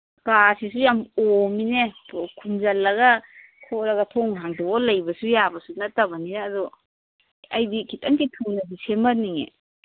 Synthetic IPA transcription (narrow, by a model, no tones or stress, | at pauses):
kasis̬ujamominekʰumzɐlːɐɡa | kʰɔlɐɡɐtʰɔŋɦaŋtɔɔlɐjbɐsujabɐsunɐtːɐbɐniɾaːdɔ | ɐjdikʰitaŋkitʰunɐs̬isemɐniŋḛ